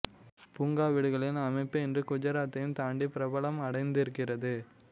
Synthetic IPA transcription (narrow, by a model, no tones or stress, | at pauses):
puːŋɡaːʋɪɽɯɣɐɭɪnɐmɐɪpːɯɪndrɯkʊd͡ʒɐɾaːt̪ːɐjɯmt̪aːɳɖipɪɾɐbɐɭɐmɐɽɐɪnd̪ɪɾɯkːɪrɐðɯ